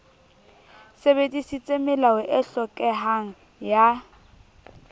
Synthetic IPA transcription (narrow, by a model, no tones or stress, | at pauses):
sebedisit͡sʼemɪlawʊʔɪɬɔkʼɛɦaŋ̩ | ja